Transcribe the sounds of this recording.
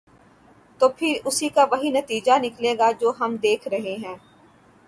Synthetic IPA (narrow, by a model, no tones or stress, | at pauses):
t̪oːpʰɪɾʊsikaʋɐɦinɐt̪iːd͡ʒanɪkleːɡad͡ʒoːɦɐmd̪eːkʰɾɐɦeɦɛ̃ː